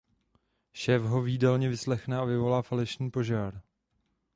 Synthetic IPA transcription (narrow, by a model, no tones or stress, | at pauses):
ʃɛːfɦo̞viːdɛlɲɛvɪslɛxnɛavɪvo̞laːfalɛʃɲiːpo̞ʒaːɾ